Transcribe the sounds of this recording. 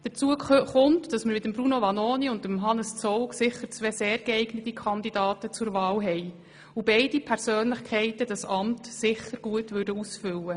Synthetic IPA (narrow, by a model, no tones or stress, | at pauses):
d̪̥ət͡suəχʊntd̥ɑsməɾmɪdəmbɾunovɑnoːniʊndəmɦɑnəst͡sɔwksɪχəɾt͡sʋɛseːɾɡ̥ɛɛɪɡnətikʰɑndidɑːtət͡sʊɾvɑːlɦɛɪ | ubɛɪdipʰɛɾsøːnlɪχkʰɛɪtədɑsɑmtsɪχəɾɡ̥uətʋʏɾdəusfʏlːə